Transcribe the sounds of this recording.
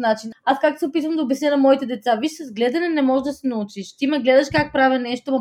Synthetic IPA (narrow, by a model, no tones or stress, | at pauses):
nat͡ʃinaskakt̪osɛopit̪vɐmd̪ɐobɛsnɛnɐmɔit̪ɛd̪ɛt̪savit͡ʃsɐzɡlɛd̪ɐnɛnɛmɔʒd̪ɐsɛnɐut͡ʃiʃt̪imɛɡlɛd̪ɐʃkak̚pɾavɛnɛʃt̪om